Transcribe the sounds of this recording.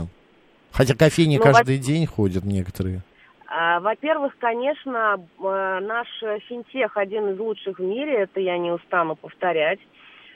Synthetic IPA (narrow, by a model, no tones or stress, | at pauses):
xɐtʲakɐfʲejnʲɪnkaʐd̪ɨjdʲenʲxodʲət̪nʲekə̥t̪əɾɨjə | əvɐpʲervɨxkɐnʲe̞ʂnə | naʂfʲɪnʲtʲexɐdʲinɨzlˠutʂɨxvmʲiɾʲɪɛt̪əjanʲɪʊst̪anʊpəft̪ɐɾʲætʲ